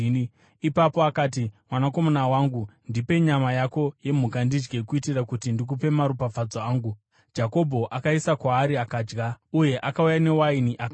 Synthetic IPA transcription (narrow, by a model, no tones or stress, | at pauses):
ipapoakaːtimwanako̞monawaːŋɡundipe̞ɲamajako̞je̞m̤ukandid͡ʒɡekuitirakutindik̬upe̞maɾupab͡vad͡zoaːŋɡu | d͡ʒako̞bʱo̞ʔakaisakwaːɾiakaːd͡ʒɡauje̞ʔakaujane̞wainiʔak